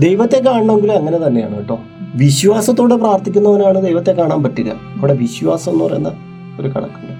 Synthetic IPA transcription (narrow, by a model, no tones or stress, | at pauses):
d̪e̞jʋɐt̪ːe̞k̬ːaːɳɐɳaeŋɡiluɐŋːɐne̞t̪ɐnːe̞ja̰ːɳɨiʈːo̞ː | ʋiɕʋaːsɐt̪̬ːoːɽepraːrt̪ʰikʲːunːɐʋɐnaːɳɨd̪ejʋɐt̪ːekːaːɳaːmpɐtːilːɐ̰ | ɐʋɨɽeʋiɕʋaːsɐmo̞nːuʋɐrḛjenːɐ | oɾukɐ̰ɽɐ̰kːundɐ